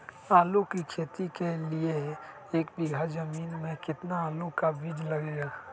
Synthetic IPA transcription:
aːlukikʰeːt̪ikelie | eːkbɪɡʱazəmiːnmẽkɪt̪naaːlukabɪd͡ʒləɡeɡaː

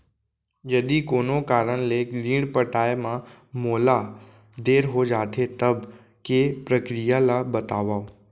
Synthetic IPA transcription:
jɐd̪ikoːnokaːɾəɽ̃leliːɽ̃pəʈaːemã | moːla | d̪eːɾɦod͡ʒaːt̪ʰet̪əb | kepɾəkɾijalabɐt̪aːʋaːo

